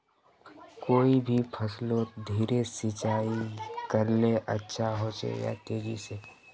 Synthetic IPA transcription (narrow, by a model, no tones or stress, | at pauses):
koːibʱipʰəsloːt̪d̪ʱiːɾesɪt͡ʃaːikəɾneʔətːʃʰaɦosḛja̰t̪eːd͡ʒise